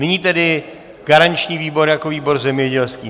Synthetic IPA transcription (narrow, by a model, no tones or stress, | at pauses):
nɪɲiːt̪ɛdɪ | ɡ̥aɾant͡ʃɲiːviːbo̞ɾjakoviːbo̞ɾzɛmɲɛɟɛlskiː